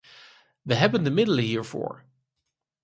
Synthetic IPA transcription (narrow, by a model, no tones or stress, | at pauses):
ʋəɦɛbəndəmɪdələɦiːɹv̥o̰ːɹ